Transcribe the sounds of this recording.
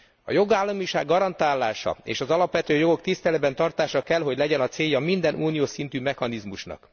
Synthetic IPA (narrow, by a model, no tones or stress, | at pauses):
ɒ̰jo̞ɡaːlːɒmiʃa̰ːɡːɒɾɒnt̪aːlːaːʃɒ̰ḛːʃɒzɒlɒpʋɛt̪øːjo̞ɡo̞k̚t̪ist̪ɛlɛd̪̚bɛnt̪ɒrt̪aːʃɒkɛlɦo̞ɟlɛɟɛnɒt̪seːjːɒmind̪ɛnʔuːnijoːsint̪yːmɛxɒnizmuʃnɒ̰k